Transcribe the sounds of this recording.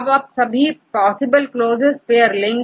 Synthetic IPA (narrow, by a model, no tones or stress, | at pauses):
bɐpsɐbʱipɔːsɪbəlkloːzɪzpeːəɾlɪ̃ŋ